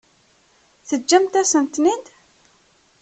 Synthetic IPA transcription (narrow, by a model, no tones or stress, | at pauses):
θəd͡ʒːæmt̪æsənt̪nind̪